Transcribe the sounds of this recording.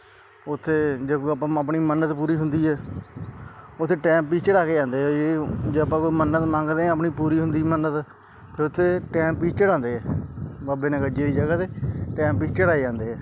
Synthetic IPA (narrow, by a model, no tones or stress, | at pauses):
ʊt̪ʰːeːd͡ʒekːəpãːəpɳiːmənət̪puːɾiːɦʊnd̪iːɦɛː | ʊt̪ʰːeːʈɛ̃ːmpːiːt͡ʃəɽaːkeːd͡ʒãːnd̪eːɦɛed͡ʒeəpãːkoːiːmənət̪mãːŋɡd̪eːɛ̃əpɳiːpuːɾiːɦʊnd̪iːmənːət̪ | pʰeːʊt̪ʰːeːʈɛ̃ːmppiːt͡ʃt͡ʃəɽãːnd̪eːɦɛːbaːbeːnẽːɡəd͡ʒeːd̪iːd͡ʒəɡaːt̪eːʈɛ̃ːmppiːt͡ʃt͡ʃəɽaːed͡ʒãːnd̪eːɛː